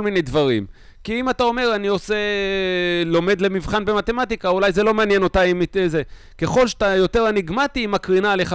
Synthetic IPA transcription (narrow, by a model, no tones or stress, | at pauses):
olmine̞jd̪vaʁim | kiimat̪ao̞me̞ʁanio̞se̞ | lo̞me̞d̪le̞mivχanbe̞mat̪e̞mat̪ikaulajzelo̞meanjeno̞t̪aimitze | ke̞χo̞lʃḁtajo̞t̪e̞ʁaniɡmat̪imakʁinale̞χa